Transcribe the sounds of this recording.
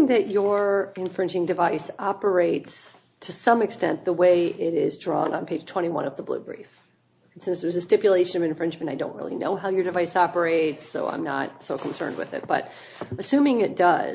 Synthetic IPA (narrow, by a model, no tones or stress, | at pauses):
ŋðɨt͡ʃə˞ɨ̃ɱfɹɪ̃nd͡ʒɪ̃ŋdɨvaɪsɑpə˞eɪts | tʰɨsʌ̃mɨkstɛ̰̃nðəweɪʔɪɾɪzdɹɔ̰̃nə̰̃npʰeɪ̥ʒ̥tʰw̥ɛ̃ɾ̃iwʌ̰̃nʌvðəblṵbɹḭf | n̩sɪ̃nsðə˞ʌzɨstɪpjɨleɪʃɨ̃nʌvɨ̃ɱfɹɪ̃nd͡ʒmɨ̃ntaɪdõʊ̃nʔɹɪ̰lˠḭno̰ʊɦaʊjə˞dɨvaɪsɑpə˞eɪtsoʊʔã̰ɪ̃mnə̰t̚soʊkʰn̩sɜ̰̃˞nd̚wɨ̰ðɪ̰t̚b̥ʌ̰ɾ | ɨsʉ̃mɪ̃ŋɪt̚d̥ʌ̰